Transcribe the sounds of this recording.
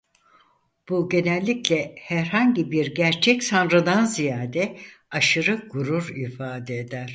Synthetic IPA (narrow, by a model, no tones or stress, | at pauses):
b̥uɟe̞nɛlʲːiclʲɛhæɾhaɲɟibiɾɟæɾt͡ʃʰɛcsanɾɯnanzijaːd̪ɛaʃɯɾɯɡuɾuɾifaːd̪ɛed̪æɾ̥